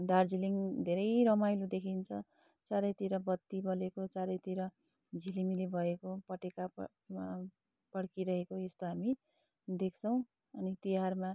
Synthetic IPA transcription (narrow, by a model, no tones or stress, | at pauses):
d̪ard͡ziliŋd̪ʱeɾʌjɾʌmajlud̪ekʰint͡sʰʌ | t͡saɾʌjt̪iɾʌbʌt̪ːibʌlekot͡saɾʌjt̪iɾʌ | d͡zʱilimilibʱʌekopʌʈeka | pʌɽkiɾʌɦekoest̪oɦami | d̪ek̚ʰt͡sʰʌw̃ | ʌnit̪iɦarma